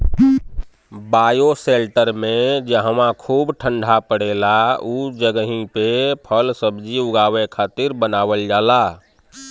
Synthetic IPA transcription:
bajoselʈəɾmẽd͡ʒəɦəmãkʰuːbʈʰəɳɖʱapəɽ̤elaud͡ʒəɡəɦĩpepʰəlsəbd͡ʒiʊɡaːʋekʰat̪iɾbənawəld͡ʒaːla

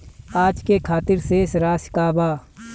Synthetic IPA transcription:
aːd͡ʒkekʰaːt̪ɪɾsesɾaːsɪ̥kaːbaː

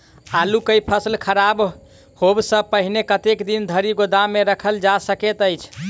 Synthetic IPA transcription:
alukəjpʰəslkʰəɾab | hobsə̃pəɦinekət̪ekd̪ind̪ʱəɾiɡod̪ameɾəkʰəld͡ʒasəket̪əjt͡ʃʰ

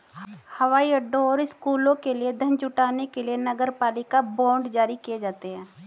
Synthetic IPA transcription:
hɐʋaːiɐɖːõɔːɾɪskuːlõkelied̪ʱə̃nd͡ʒʊʈaːnekelienɐɡəɾpaːlɪkabɔ̃ːɳɖd͡ʒaːɾikijed͡ʒaːt̪eɦɛ̃ː

